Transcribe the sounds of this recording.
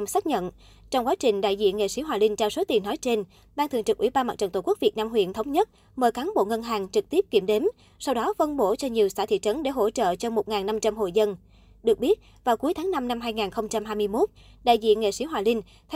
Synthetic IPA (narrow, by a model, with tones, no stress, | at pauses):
saː˦˥k̚ɲə̰˧˨n | t͡ɕɔ˧wŋ͡mkwaː˨˦t͡ɕï˨˩ŋ̟ɗa̰ː˧˨jzḭ˧˨ənŋḛ˧˨si˨˦˥ɦwaː˨˩lï˧ŋ̟t͡ɕaː˧wso˨˦t̪i˨˩nːɔ˨˦jt͡ɕe˧n | ɓaː˧t̪ʰɨ̰˨˩ŋt͡ɕɨ˨˩k̚ʔwḭ˧˩ɓaː˧nmaː˨˩t͡ɕə˧˨˩t̪o˧˨˩ku˦˥k̚vi˨˩ət̚naː˧mhwḭ˧˨ənt̪ʰə˨˦wŋ͡mɲə˦˥t̚ | məː˨˩jkaː˨˦nɓo̰˧˨ŋə˧nɦaː˨˩ŋt͡ɕɨ˨˩k̚t̪i˦˥əp̚ki˧˩əmɗe˨˦m | sa˧wɗɔ˨˦fə˧nɓo˧˩t͡ɕɔ˧ɲi˨˩əwsaː˧˩t̪ʰḭ˧˨t͡ɕə˨˦nɗḛ˧˩ɦo̰˧˥t͡ɕə̰ː˧˨t͡ɕɔ˧mo˨˩t̚ŋaː˨˩nːa˧mt͡ɕa˧mɦo̰˧˨jzə˧n | ɗɨ˨˩ək̚ɓi˦˥ət̚ | vaː˨˩wku˨˦əjt̪ʰaː˨˦ŋna˧mna˧mɦaː˧jŋaː˨˩nxə˧wŋ͡mt͡ɕa˧mhɦaː˧jmɨ˧əjmo˦˥t̚ | ɗa̰ː˧˨jzḭ˧˨ənŋḛ˧˨si˧˥˦waː˨˩lï˧ŋ̟ | t̪ʰ